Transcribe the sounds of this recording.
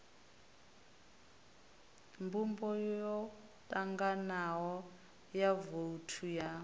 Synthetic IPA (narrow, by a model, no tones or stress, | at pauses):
mbumbɔjjɔ | tʼaŋɡanaɦɔ | javoutʰuja